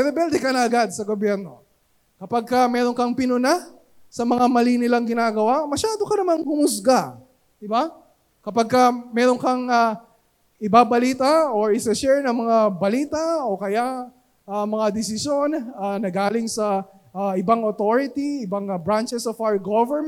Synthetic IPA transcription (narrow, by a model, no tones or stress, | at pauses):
ɛɾɛbɛld̪ɛkɐnɐɐɡad̪̚sɐɡobjɛɾno̞̰ | kɐpaɡ̚kɐmɛːɾo̞ŋkɐŋpɪnʊna | sɐmɐŋamɐlinɪlɐŋɡɪnaːɡɐwamɐʃaːd̪o̞kɐnɐmankʊmʊs̬ɡa | d̪ɪba | kɐpaɡ̚kɐmɛːɾoŋkɐŋa | ɪbaːbɐliːt̪ɐoɹɪsɛʃɛɹnɐŋmɐŋabɐliːt̪ɐokɐja | ɐmɐŋad̪ɛsɪsjo̞nɐnɐɡaːlɪŋsɐ | ɪbaŋot̪o̞ɹɪt̪iɪbaŋbɹant͡ʃɛsofawɡovɛɹm